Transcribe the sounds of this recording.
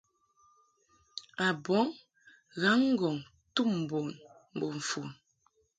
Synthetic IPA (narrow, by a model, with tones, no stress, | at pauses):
a˨bɔ˨˦ŋ | ɣa˨˦ŋ̩˦ɡɔ˨ŋ | tu˦˨m̩˨bo˨nm̩˨bo˨ɱ̩˨fu˨n